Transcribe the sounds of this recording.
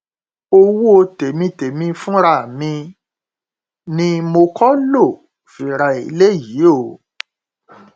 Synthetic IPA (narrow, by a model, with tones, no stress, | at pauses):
o˧wo˦o˧te˨mĩ˧te˨mĩ˧fũ˦ɾa˦˨mĩ˧ | nĩ˦mo˧kɔ˦lo˦˨ | fi˨ɾa˧˨ḭ˧le˦ji˨˦o˦˨